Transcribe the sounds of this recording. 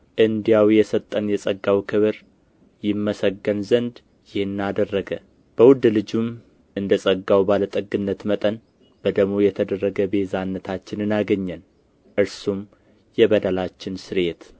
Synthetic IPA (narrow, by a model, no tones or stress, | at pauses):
ʔɨnd̪ijawjɛsət̪ʼːənjɛsʼəɡːawkʰɨβɨɾ | jɪmːəsəɡːənzənd̪ | jɪhɨnːad̪ərːəɡə | b̥əwʊd̪lɨd͡ʒum | ʔɨnd̪əsʼəɡːawbalət̪ʼəɡːɨnːət̪mət̪ʼən | b̥əd̪əɡmojɛt̪ʰəd̪ərːəɡəbe̞zanːət̪ʰat͡ʃːɪnɨnaɡəɲːən | ʔɨɾsum | jɛbəd̪əlat͡ʃːɪnsɨɾet̪